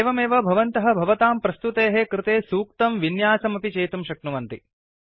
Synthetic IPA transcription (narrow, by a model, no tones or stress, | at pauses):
eːʋɐmeːʋɐbʱɐʋɐnt̪ɐɦɐ̆bʱɐʋɐt̪aːmpɾɐst̪ut̪eːɦekɾɪt̪eːsuːkt̪ɐmʋinjaːsɐmɐpit͡ʃeːt̪umʃɐknuʋɐnt̪ḭ